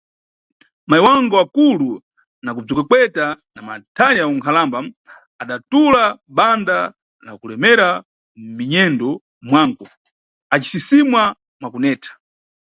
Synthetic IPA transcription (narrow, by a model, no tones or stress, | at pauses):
maiwaŋɡɔakulu | nakub͡ʐikakwɛtanamatʰaɲauŋkʰalamba | aɗatulaɓanda | la̰kulɛmɛɾa | miɲɛndɔ | mwaŋɡɔ | at͡ʃi̥sisimwa | mwakunɛːtʰḁ